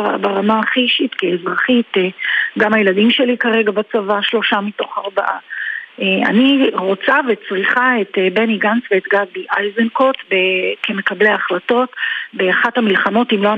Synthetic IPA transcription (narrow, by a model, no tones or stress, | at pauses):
a̰baʁamaχiʃitkeːzʁaχiteɡamajeladimʃe̞likaʁe̞ɡabat͡savaʃlo̞ʃamito̞χaʁbaʔa̰ea̰niʁot͡savet͡sʁiχaetebeniɡansveːtɡaɡ̚biʔajzenko̞tbekeme̞kableaχlato̞tbeaχathamilχamo̞timloa